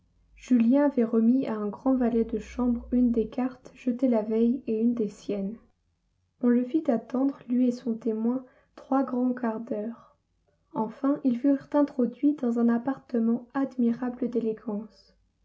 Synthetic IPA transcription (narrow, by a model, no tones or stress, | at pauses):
ʒ̥yljɛ̃avɛʁəmiaɛ̃ɡʁɑ̃valɛd̪əʃɑ̃bʁynd̪ekaʁt̪ʒ̥ət̪elavɛjeynd̪esjɛn | ɔ̃ləfit̪at̪ɑ̃d̪ʁlɥiesɔ̃t̪emwɛ̃ | t̪χwaɡʁɑ̃kaʁd̪œːʁ | ɑ̃fɛ̃ʔilfyʁt̪ɛ̃t̪χɔd̪ɥid̪ɑ̃zɛ̃napaʁt̪əmɑ̃ad̪miʁabləd̪eleɡɑ̃s